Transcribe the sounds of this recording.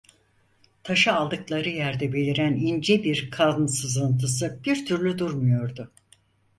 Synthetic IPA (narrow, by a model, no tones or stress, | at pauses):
t̪ʰaʃɯalˠd̪ɯklˠaɾɯjæɾd̪ɛbe̞lʲiɾænind͡ʒɛbiɾkʰaznsɯzɯnt̪ʰɯsɯb̥iɾt̪ʰyɾlʲyd̪uɾmujo̞ɾd̪ʊ